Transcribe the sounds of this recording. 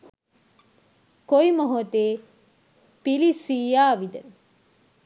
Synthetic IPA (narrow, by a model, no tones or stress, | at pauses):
koimoɦot̪eː | pilisiːjaːʋid̪ə